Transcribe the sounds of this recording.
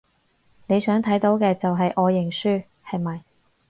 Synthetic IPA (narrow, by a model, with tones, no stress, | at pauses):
ne˨˧jsœː˨˥ŋt̪ʰɐ˨˥jt̪o˨˧˥wkɛː˧t͡sɐ˨wɦɐ˨jʔɔː˨˧jɪ˨˩ŋsyː˥ | hɐ˨jmɐ˨j